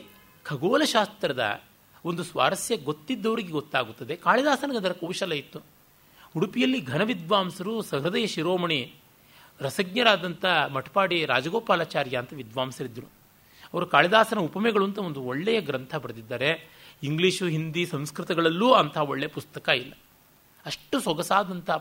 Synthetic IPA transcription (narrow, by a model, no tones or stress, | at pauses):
kʰɐɡoːlɐʃaːst̪ɾɐd̪ɐ̰ | ond̪usʋa̰ːɾɐsjɐɡo̞t̪ːid̪ːɐʋɐɾiɡeɡot̪ːaːɡut̪ːɐd̪e̞kaːɭid̪aːsɐnɐɡɐd̪ɐɾɐkɐwʃɐlɐjit̪ːu | uɽupijɐlːiɡʱɐnɐʋid̪ʋaːmsɐɾusɐɦɾɐd̪ɐjɐʃiɾoːmɐɳi | ɾɐsɐɡ̚ɲɐɾaːd̪ɐnt̪ɐmɐʈɐ̥paːɽiɾaːd͡ʒɐɡoːpaːlaːt͡ʃaːɾjɐːnt̪ɐʋid̪ʋaːmsɐɾid̪ːɐɾu | ɐʋɐɾukaːɭid̪aːsɐnɐupɐmɛɡɐɭuɐnt̪ɐo̞nd̪uoɭːɛjɐɡɾɐnt̪ʰɐbɐɾɐd̪id̪ːɐːɾe̞iŋɡliːʂuɦind̪isɐ̃mskɾit̪ɐɡɐɭɐlːuːɐnt̪ʰɐɦɐoɭːejɐpust̪ɐkɐilːɐ | ɐʂʈusɔɡɐsaːd̪ɐnt̪ʰɐ